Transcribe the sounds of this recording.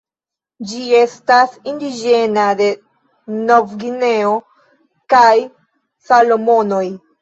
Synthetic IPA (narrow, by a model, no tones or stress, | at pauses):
d͡ʒie̞stasindid͡ʒe̞nade̞ | no̞vɡine̞o̞ | kaj | salo̞mo̞no̞j